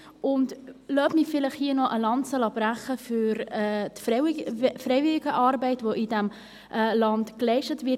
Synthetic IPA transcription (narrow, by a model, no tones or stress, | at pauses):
ʊndlœːpmifɪlɪχhiːənɔʔəlɑntt͡sɛlɑb̥ɾæχəfyɾɛtf | fɾɛɪvɪliɡəʔɑːɾbɛɪtvoʔidæm | ʔɛlɑntklɛɪʃtətvɪ